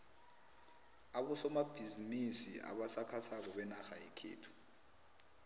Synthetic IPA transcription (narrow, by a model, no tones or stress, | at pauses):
aɓɔsɔmab̥ʱizinisia̰ɓasakʰasak̬ɔɓɛnaxajekʰḛːtʰu̥